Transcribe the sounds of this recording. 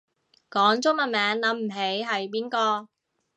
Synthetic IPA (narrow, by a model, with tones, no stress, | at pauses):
kɔː˨˥ŋt͡sʊ˥mɐ˨˩mɛː˨˧˥ŋlɐ˨˥m̩˨˩ɦe˨˥jɦɐ˨jpiː˥nkɔː˧